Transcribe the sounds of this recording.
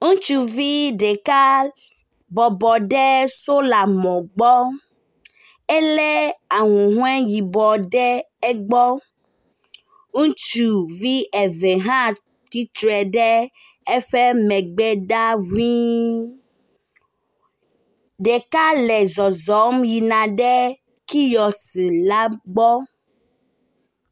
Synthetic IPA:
ŋũ˦t͡ʃu˦vi˦ɖɛ˨ka˦ | bɔ˨bɔ˨ɖɛ˦so˦la˨mɔ̃˨ɡ͡bɔ˦ | ɛ˦lɛ˦a˨ŋũ˨ɦũ˦ɛ˦ji˨bɔ˨ɖɛ˦ | ɛ˦ɡ͡bɔ˦ | ŋũ˦t͡ʃu˨vi˦ɛ˨vɛ˨ɦã˦ | t̪i˦t̪ɾɛ˨ɖɛ˦ | ɛ˦ɸɛ˦mɛ̃˨ɡ͡bɛ˦ɖa˦wĩ˦ | ɖɛ˨ka˦lɛ˨zɔ˨zɔ˨˦mji˨nã˨ɖɛ˦ | ki˦jɔ˨si˨la˦ɡ͡bɔ˦

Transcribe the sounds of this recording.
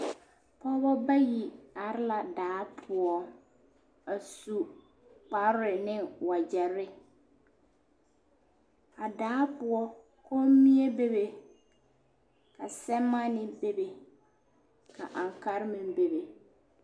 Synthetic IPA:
pɔ˦bɔ˦ba˦ji˨a˨ɾɪ˦la˨daː˨˦pʰʊ˨ɔ˨ | a˨su˨ | k͡pa˨ɾɾɪ˨nɪ˦wa˨d͡ʒɛ˨ɾɪ˦ | a˨daː˨˦pʊ˨ɔ˦ | kɔ˦mi˦e˦be˦be˨ | ka˨sɛ˦mːa˦nɪ˦be˦be˨ | ka˨ʔa˨ŋka˦ɾɪ˦mɪ̃˨m˦be˨be˨

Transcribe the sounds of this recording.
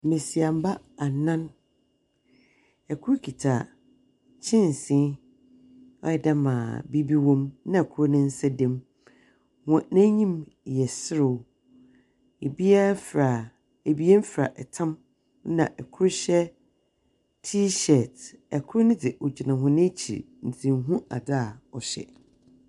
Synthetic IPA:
mẽ˨si˨a˨m˦ba˦ | a˨nã˦n | ɛ˨kʰʊ˦ɾkʰi˨tʰa˨ | t͡ɕʰɪ̃˦n˨sĩ˦ | ɔ˦ɛ˨da˦mã̰ː˨bi˦bi˦wɔ̃˦mnã˦˨ɛ˨kʰʊ˦ɾnɪ̃˦n̩˦sɛ˦dɛ̃˦m | hɔ̃˨nɛ̃˦ɲĩ˦m˨jɛ˨sɪ˦ɾʊ˨ | e˨bi˦ɛ˦fɾa˨ | e˨bi˦e˦m˦fɾa̰˨ʔɛ˨tʰã˦m˦ | nã̰˨ʔɛ˨kʰʊ˦ɾɕɛ˦ | tʰi˦ɕɛ˨tɛ˨kʰʊ˦ɾnɪ̃˦dɪ˨ʔɔ˨d͡ʑi˨nã˨ɦʊ̃˦nɪ̃˦t͡ɕʰḭ˨ | n̩˨tʰĩ˨mɦũ˦a˨da˦˨ɔ˨ɕɛ̰˨

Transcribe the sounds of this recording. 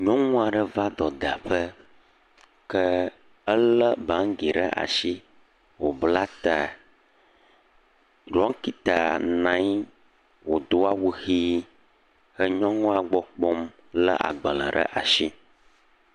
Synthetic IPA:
ɲɔ̃˦ŋũ˦a˨ɖə˦va˦d̪ɔ˨d̪a˨ɸə˦ | kə˦ | ə˦llə˦bã˨˦ŋɡi˨ɖə̰˦ʔa̰˨ʃi˦ | wo˨bla˦t̪a˨ | ɖɔ˦ŋ˦ki˦t̪a˨nã˦j | wo˨d̪o˦a˦wu˦xi˦ | xə˦ɲɔ̃˦ŋũ˦a˨ɡ͡bɔ˦k͡pɔ˦m | lə̰˦ʔa̰˨ɡ͡bə˨lə̰̃˨ɖə̰˦ʔa˨ʃi˦

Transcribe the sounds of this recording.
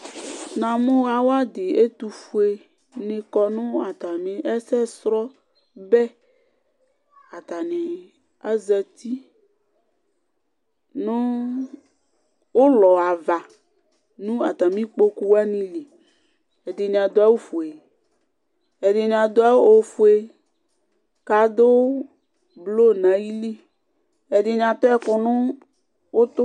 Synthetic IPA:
nã˨mʊ̃˦wa˨wa˦dɪ˨e˦t̪u˨fu˨˦e˨ | nɪ̃˨kɔ˨nʊ̃˦a˨t̪a˨mĩ˦ʔɛ˦sɛ˦sɾɔ˦ | bɛ˦ | a˨t̪a˨nɪ̃˨ | a˦zɛ˨t̪i˦ | nʊ̃˦ | wo˦lɔ˨a˨va˨ | nũ˦a˨t̪a˨mĩ˦k͡po˦ku˦wa˦nĩ˦li˨ | e˨dɪ˨ɲã˨d̪o˦a˦wo˦fo˨e˨ | ɛ˨dɪ˨ɲã˨d̪o˦a˦wo˦fo˨e˨ | ka˨d̪o˦ | blo˦nã˨ji˦li˦ | e˨de˨ɲã˨t̪ɔ˦ɛ˦kʊ˨nʊ̃˦ | wo˦t̪ʊ˦

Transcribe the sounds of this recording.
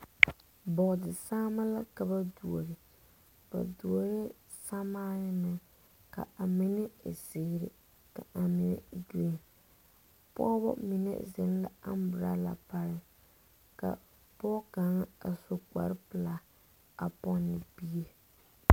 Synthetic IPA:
bɔ˨ʔdɪ˨saː˦ma˦la˦ka˨ba˦du˨o˨ɾɪ˨ | ba̰˨du˨o˨ɾɪ˦ | sa˦maː˦jɪ˦nɨ˨ | ka̰˨a˨mɪ˦nɪ˦˨sɪː˦˨˦ɾɪ̰˨ | ka˨a˨mi˨nɛ̰˨du˦e˨ | pɔ˦bɔ̰˦mi˨nɛ̰˦zɪ̰˨n˦la̰˦a˦m˦bɨ˨ɾa̰˦la̰˨pa˨ɾɪ˦˨ | ka̰˨ | pɔ˦ka˨˦ŋ˦a˨so˦ka̰˨ɾɪ˦pɨ˨la˦ | a˨pɔ˦nːɪ˨bi˦e˦

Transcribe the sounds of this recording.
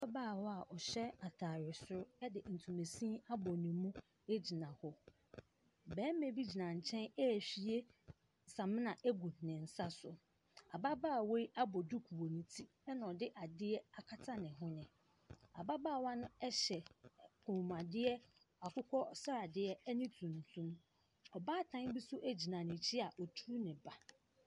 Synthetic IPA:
a˦baː˦˨wɔ˦a˨ʔɔ˨ɕɛ˦a˨tʰaː˨ɾɪ˨sʊ˦ɾʊ˦ɛ˦dɪ˨n̩˨tʰũ˨me˨sĩ˦a˦bɔ˨nĩ˨mũ˦ | e˦d͡ʑi˨nã˨hɔ˨ | bɛ̃ː˨˦mẽ˨bi˦d͡ʑi˨nã˨ɲ̩˨t͡ɕʰɛ̃˦nɛ˦˨ɕi˨˦e˦ | sã˨mɪ̃˦nã˨ʔe˦ɡu˨nɪ̃˨n̩˨sa˦sʊ˨ | a˨ba˦baː˦˨we˦i˦ʔa˦bɔ˨du˦kʰu˨o˨nĩ˨tʰi˦ | ɛ˦nã˨ɔ˨dɪ˦ʔa˨dɪ˦ɛ˦a˨kʰa˦tʰa˦nɪ̃˨ɦʊ̃˦nɪ̃˨ | a̰˨ba˦baː˦˨wã˦nʊ̃˦ɛ˦ɕɛ˨kʰũ˨m˨a˨dɪ˦ɛ˦ | a˨kʰʊ˦kʰɔ˦sa˦a˨dɪ˦ɛ˦ɛ˦nĩ˦tʰũ˨n˨tʰũ˦m | ɔ˨baː˦˨tʰã˦n˦bi˦sʊ˦ʔæ˦d͡ʑi˨nã˨nɪ̃˨t͡ɕʰɪ˦a˨ʔɔ˨tʰu˦nɪ̃˨ba˨

